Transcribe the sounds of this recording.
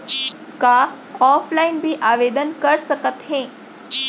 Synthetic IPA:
ka | ɔflainbʱiːʔaʋed̪ənkəɾsəkət̪ɦẽ

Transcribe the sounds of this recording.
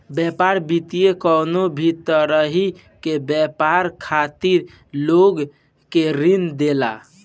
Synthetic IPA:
bjɛpaɾbit̪ijekənobʱit̪əɾəɦi | kebjɛpaɾkʰat̪iɾ | loɡ | keɾind̪ela̰

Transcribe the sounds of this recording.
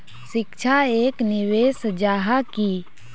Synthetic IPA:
ʃɪkt͡ʃʰaeːknɪʋeːsd͡ʒaːɦaki

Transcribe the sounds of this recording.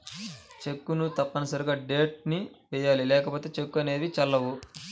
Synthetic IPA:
t͡ʃekːunut̪ɐpːɐnɐsɐɾuɡaːɖe̞ːʈ̚niʋɛːjaːlilɛːkɐpoːt̪e̞ːt͡ʃe̞kːuɐne̞ːʋit͡ʃɐlːɐʋu

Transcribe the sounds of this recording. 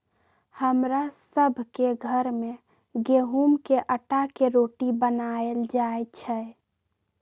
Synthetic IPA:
həmɾasəbʱkeɡʱəɾme | ɡeɦumkeʔəʈakeɾoːʈibənaeld͡ʒaːet͡ʃʰɛ

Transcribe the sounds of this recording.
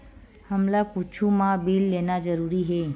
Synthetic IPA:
həmlakut͡ʃʰumãbiːlːeːnad͡ʒəɾuːɾiɦeː

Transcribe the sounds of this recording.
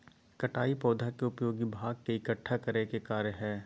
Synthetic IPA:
kɐʈaːipɔːd̪ʱakeʊpjoːɡibʱaːɡ̚keɪkəʈʰːakɐɾekekaːɾjəɦɛː

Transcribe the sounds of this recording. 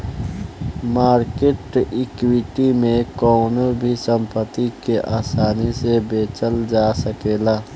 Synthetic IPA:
maːɾkeʈɪkwiʈimẽkɔːnobʱisə̃mpət̪ːikeʔaːsaːnisebeːt͡ʃəld͡ʒasəkeːlaː

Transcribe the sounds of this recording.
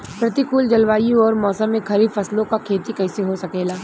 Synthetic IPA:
pɾɐt̪ikuːld͡ʒɐlʋaːjũɔːɾmɔːsə̃mːẽkʰɐɾibfɐslõkakʰeːt̪ikɛːseɦosɐkeːlaː

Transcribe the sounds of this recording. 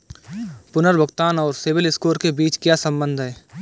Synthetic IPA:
pʊnəɾbʱəɡt̪aːnɔːɾsɪʋɪlɪskoːɾkebiːt͡ʃkjasɐ̃mbə̃nd̪ʱɦɛː

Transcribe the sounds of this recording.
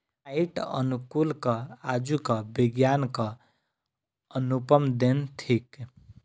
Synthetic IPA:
aiʈə̰nukulkʌad͡ʒukʌbiɡjankʌ | ənupəmd̪ent̪ʰik

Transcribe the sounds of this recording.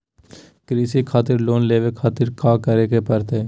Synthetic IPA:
kɾiːsikʰaːt̪ɪɾloːnleːʋekʰaːt̪ɪɾkaːkəɾeːkepəɾt̪eː

